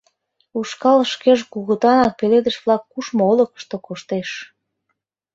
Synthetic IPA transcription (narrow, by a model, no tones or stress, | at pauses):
uʃkɑlʃkeʒkuɣət̪ɑnɑk̚peled̪əʃβlɑkːuʃmoolə̆kə̥ʃt̪okoʃt̪eʃ